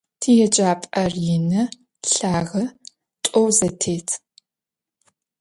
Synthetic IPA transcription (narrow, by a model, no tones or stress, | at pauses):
tʰijɛd͡ʒʼaːpʼɐrjɪnɐ | ɬaːʁɐ | tʷʼɔwzɐtʰeːtʰ